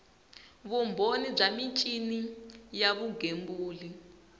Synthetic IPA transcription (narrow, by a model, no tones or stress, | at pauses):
βumbʱonib͡ʐamit͡ʃʼinijaβuɡembuːli